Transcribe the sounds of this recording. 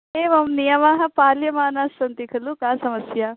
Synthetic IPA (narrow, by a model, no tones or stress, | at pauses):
ɦeːʋɐmnijɐmaːɦɐ̆paːljɐmaːnaːsːɐnt̪ikʰɐlukãːsɐmɐsja